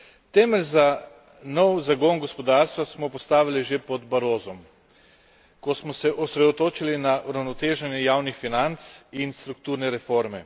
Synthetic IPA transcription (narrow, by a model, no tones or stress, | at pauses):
t̪ɛːmɛlʲza | nɔwzaɡonɡɔspɔd̪aɾst̪ʋasmɔpɔst̪aːʋiliʒepɔd̪baɾoːzɔm | kɔsmɔsɛʔɔsɾɛd̪ɔt̪oːt͡ʃilinaʔuɾawnɔt̪eːʒɛnjɛjaːwnixfinant̪sinst̪ɾuk̚t̪uːɾnɛɾɛfoɾmɛ